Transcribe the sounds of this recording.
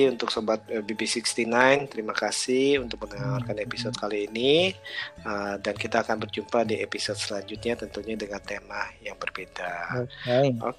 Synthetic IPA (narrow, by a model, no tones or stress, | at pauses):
iunt̪ʊksobat̪̚əbibisikst̪inajnt̪əɾimakasihunt̪ʊk̚mənaŋawarkanepisɔd̪̚kaliːni | ədankit̪aːkanbərd͡ʒumpadiʔepisɔd̪̚səlaɲd͡ʒut̪̚ɲat̪ənt̪uɲadəŋant̪emahjaŋbərbeda | o̰